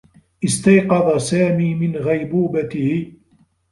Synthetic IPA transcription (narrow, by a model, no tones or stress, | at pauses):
ʔɪst̪ɑjqɑðˤɑsaːmiːmɪnɣajbuːbat̪ɪhɪ